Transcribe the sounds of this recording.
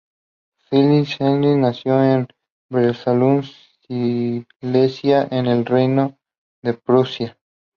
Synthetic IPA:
filisenɾinasjoen | bɾesaluns | i | lesjaʔenelrejno | ðepɾosja

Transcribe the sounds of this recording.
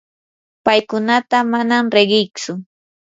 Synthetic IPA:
pajkʊnat̪amanamɾeɢɪjt͡sʊ

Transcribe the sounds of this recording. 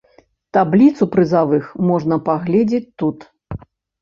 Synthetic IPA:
t̪ablʲit̪supɾɨzavɨxmɔʐnɐpaɣlʲɛd͡zʲet͡sʲt̪ut̪

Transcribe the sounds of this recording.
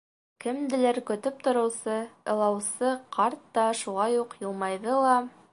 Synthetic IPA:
kɘ̆md̪ɘ̆læɾkɵ̆t̪ɵp̚t̪ŏɾɤ̆wsɤɤ̆lˠɑwsɤqʰɑɾt̪ːɑʃuʁɑjuqjɤ̆lˠmɑjðɤlˠɑ

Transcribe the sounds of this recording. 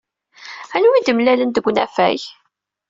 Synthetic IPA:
ænwid̪əmlælənd̪əɡʷːnæfæ̰j

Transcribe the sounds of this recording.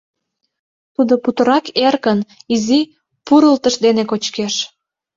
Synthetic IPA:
t̪ud̪oput̪əɾɑkerkənizi | puɾəlt̪əʃd̪enekot͡ɕkeʃ

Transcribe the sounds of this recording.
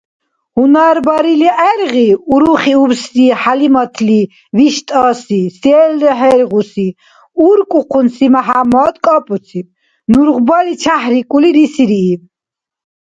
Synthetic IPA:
hunaɾbɑɾiliʔɛɾʁiuɾuχiuɾsɾiħalimɔt̪ʰli | viʃt̪ʼasisɛlliɦɛɾʁusi | uɾkʼuqʰunsimaɦamɔd̪kʼɔpʼusʰi | nuɾʁbalit͡ʃʰahɾikʼuliɾisiɾiː

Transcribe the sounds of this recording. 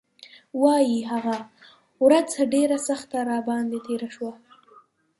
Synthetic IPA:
wɑjiɦaɣa | wɾat͡saɖeɾasaxt̪aɾɑbɑnd̪et̪eɾaʃwa

